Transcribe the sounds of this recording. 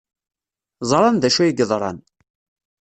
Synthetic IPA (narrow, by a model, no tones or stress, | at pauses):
zˤɾˤɑnd̪æʃæjiɡəðˤɾˤɑ̰n